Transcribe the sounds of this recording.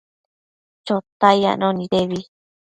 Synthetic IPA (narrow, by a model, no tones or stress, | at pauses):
t͡ʃot̪aja̰ʔnõnĩɾeβi